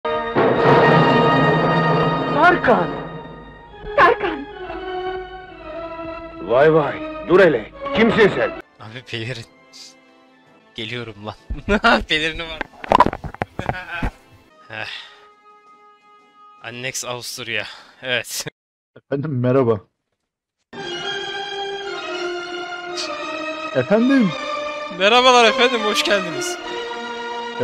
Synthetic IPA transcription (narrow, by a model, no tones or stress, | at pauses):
sʰaɾkʰan | saɾkan | vajvajd̪uɾelɛcʲʰimsisɛnabibʰeliɾin | ɟ̥e̞lʲijo̞ɾumlˠaabeliɾinivaɾ | hɛ | a̰nːɛksavust̪ʰuɾijaevɛt̪ | ɛfænd̪imːɛɾaba | efænd̪immeɾaβalˠaɾefænd̪imboʃcælʲd̪imiz̥